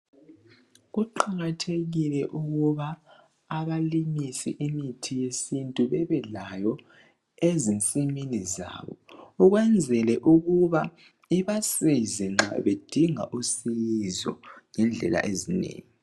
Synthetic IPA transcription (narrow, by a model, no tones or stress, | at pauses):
ɣuǃaɣatʰeɣilɛʔuɣuβaː | βalimisiʔimitʰijesintʼuβɛβɛlajɔ | ezint͡sʼiminiza̰ːβɔuɣwɛnd͡zʱɛlɛʔuɣuβa | iβasizɛŋ͡ǁa̰βed̥ʱiŋa̰ʔusijizɔ̰ŋɛnd͡ɮʱɛla̰ʔezinḛːŋi